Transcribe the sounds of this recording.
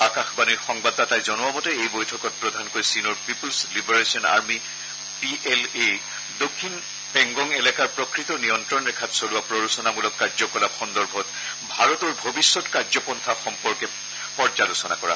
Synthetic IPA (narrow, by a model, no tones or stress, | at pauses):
akaxbaniɹxɔŋbadtatajzɔnuamɔtɛejbojtʰɔkɔt̚pɹɔdʱankoɹjsinɔɹpipulslibɔɹesiɔna̰ɹmi | piʔele | dokʰːin | pɛŋɡɔŋelɛkaɹpɹɔkɹitɔnijɔntɹɔnɹɛkʰatsoluapɹɔɹusɔnamulɔkːaɹzɔkɔlaxɔndɔɹbʱɔt | bʱaɹɔtɔɹbʱobisːɔtkaɹzɔpɔntʰaxɔmpɔɹkɛ | pɔɹzalusɔnakɔɹa̰